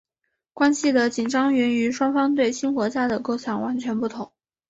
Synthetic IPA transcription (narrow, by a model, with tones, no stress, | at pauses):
kwa˥nɕi˨d̪ə˩t͡ɕi˨˩nʈ͡ʂɑ˥ŋɛ˧˥ny˧˥ʂwɑ˥ŋfɑ˥ŋt̪we˥˩ɪɕi˥nxwɔ˧˥t͡ɕja˥˩d̪ə˩ko˥˩ʊt͡ɕʰjɑ˧˥ŋwa˧˥nt͡ɕʰɥɛ˧˥npu˥˩t̪ʰʊ˧˥˦ŋ